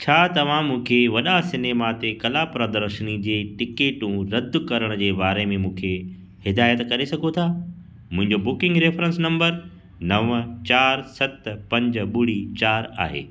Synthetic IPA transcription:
t͡ɕʰaːt̪ɐʋ̤ãmũːkʰeʋɐɗasɪneːmat̪ekɐlapɾɐd̪əɾʃənid͡ʑeːʈɪkeːʈũɾɐd̪ːkɐɾəɽ̃d͡ʑeːbaːɾemẽmũːkʰe | hɪd̪aːjət̪kɐɾesɐɡʱot̪ʰaː | mʊ̃ɦɪ̃ɲd͡ʑobʊkɪ̃ŋɡɾeːfɾə̃nsnɐ̃mbəɾ | nɐʋt͡ɕaːɾsɐt̪pɐ̃ɲd͡ʑɓʊɽit͡ɕaːɾa̰ːɦḛː

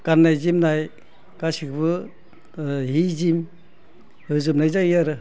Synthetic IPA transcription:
kanːajzimnaj | kasikʰɯbɯ | ɦizim | hɯzɯm̚najzajaɾɯ

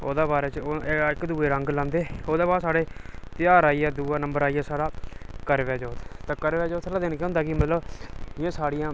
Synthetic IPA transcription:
o̰ːd̪aːbaːɾeːt͡ʃːɪkd̪uːeːɾəŋɡlãːnd̪eːoːd̪aːbaːsaːɽeːt̪ɪjaːɾaːiːɛːd̪uːaːnəmbəɾaːiːɛːsaːɽaːkəɾʋɛːd͡ʒɔːt̪t̪ãːkəɾʋɛːd͡ʒɔːt̪ʰːlaːd̪ɪnkj̃ɔ̃ːnd̪aːkɪmət̪ləbjãːsaːɽɪjãː

